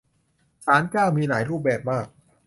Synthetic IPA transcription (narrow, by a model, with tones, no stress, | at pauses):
t͡ɕʰaː˦˥nkaː˥˩wmiː˧naː˩˦jɾuː˥˩p̚bɛː˨˩p̚maː˥˩k̚